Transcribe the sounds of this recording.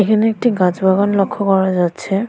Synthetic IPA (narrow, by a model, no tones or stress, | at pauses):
ekʰanek̚tiɡãt͡sbʱaɡɔnlɔkʰːɔkɔɹazatsʰɛ